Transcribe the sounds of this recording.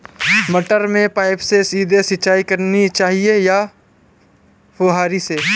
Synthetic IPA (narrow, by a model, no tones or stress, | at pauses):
məʈəɾmẽpaːɪpsesiːd̪ʱesɪt͡ʃaːikɐɾnit͡ʃaːɦieja | foːɦaːɾise